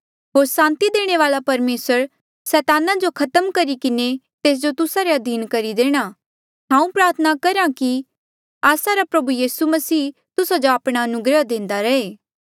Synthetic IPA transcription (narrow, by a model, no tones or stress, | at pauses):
ɦoːɾsãːnt̪id̪eːɽ̃eʋaːlapɐɾmeːsəɾ | sɛːt̪aːnad͡ʒokʰɐt̪əmkɐɾikɪne | t̪eːs̬d͡ʒot̪ʊsaɾeɐd̪ʱiːnkɐɾid̪eːɽ̃a | ɦãːũpɾaːɾt̪ʰənakɐɾãki | aːsaɾapɾɐbujiːsumɐsiː | t̪ʊsad͡ʒoaːpɽ̃aɐnʊɡɾəd̪ẽːnd̪aɾɐeː